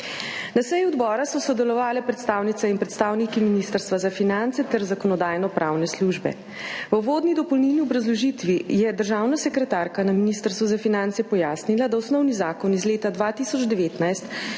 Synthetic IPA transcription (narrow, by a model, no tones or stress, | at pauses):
nasɛjuɔd̪bɔːɾasɔsɔd̪ɛlɔʋaːlɛpɾɛt̪st̪aːwnit̪sɛinpɾɛt̪st̪aːwnikiminist̪əɾst̪ʋazafinant̪sɛt̪ɛɾzakɔnɔd̪aːjnɔpɾʔaːwnɛsluʒbɛ̰ | ʋəʋoːd̪nid̪ɔpɔwnilniɔbɾazlɔʒit̪ʋijɛd̪əɾʒaːwnasɛkɾɛt̪aːɾkanaminist̪əɾst̪ʋuzafinant̪sɛpɔjaːsnilad̪awsnɔwnizaːkɔnizleːt̪ad̪ʋat̪isɔd͡ʒd̪ɛʋeːt̪najst̪